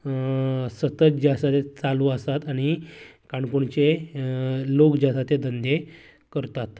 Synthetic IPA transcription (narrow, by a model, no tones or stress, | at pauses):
sət̪ət̪d͡ʑasat̪et͡saluːəsat̪aɽ̃ikaɳkuɳt͡ɕe | lokd͡ʑasat̪ed̪ʱənd̪e | kəɾt̪at̪